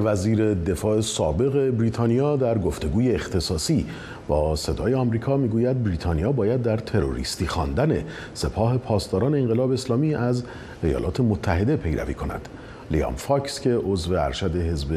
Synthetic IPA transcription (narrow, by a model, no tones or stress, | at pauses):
væziːɾe̞d̪e̞fɒːʔesɒːbe̞ɣe̞bɾiːt̪ʰɒːnijɒːd̪æɾɡo̞ft̪e̞ɡuːjeːxt̪ʰe̞sɒːsiː | bɒːse̞d̪ɒːjeɒmɾiːkʰɒːmiːɡuːjæd̪̚bɾiːt̪ʰɒnijɒːbɒːjæd̪ːæɾt̪ʰe̞ɾo̞̰ɾḭːst̪iːxɒ̰ːnd̪æne̞ | se̞pʰɒːɦe̞pʰɒːst̪ɒːɾɒːne̞eŋɢe̞lɒːbeːslɒːmiːʔæz | e̞jɒ̰ːlɒ̰ːt̪ʰe̞mot̪ʰːæɦe̞d̪e̞pʰe̞jɾæ̰vḭːkʰo̞næ̰d̪̥ | lḭɒ̰mfɒcscʰe̞ʔo̞zve̞æ̰ɾʃæd̪e̞ɦe̞zbe